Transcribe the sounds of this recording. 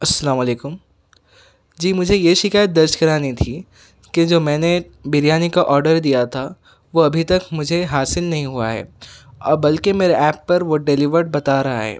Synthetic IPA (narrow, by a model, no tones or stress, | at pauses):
ɐsːɐlaːmɐleːkʊm | d͡ʒiːmʊd͡ʒʱejeʃɪkaːjət̪̚d̪ɐɾʃkɐɾaːnit̪ʰiː | ked͡ʒoːmɛ̃ːne | bɪɾijaːnikaʔɔːɾɖəɾd̪ijat̪ʰa | ʋoɐbʱit̪ɐkmʊd͡ʒʱeɦaːsɪlnɐɦĩɦuaɦɛ̰ːɔ̰ːɾbɐlkemeːɾeʔɛːpːɐɾʋoɖeliʋəɾʈ̚bɐt̪aɾɐɦaɦɛ̰ː